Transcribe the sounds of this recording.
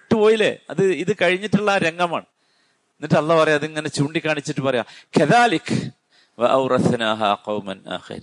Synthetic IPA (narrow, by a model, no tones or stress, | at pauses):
ʈːɨpo̞ːjile̞̰ːɐðɨiðɨkɐɻiɲːiʈːuɭːɐɾe̞ŋɡɐma̰ːɳɨ | enːiʈːɨɐlːaːpɐrɐjaɐðiŋːɐne̞t͡ɕuːɳɖikʲːaːɳit͡ɕːiʈːɨpɐrɐja̰ːkɐðaːlik | wɐ̰ʔɐwɾɐθnaːɦaːqɐwmɐ̰na̰ːxḭɾ̰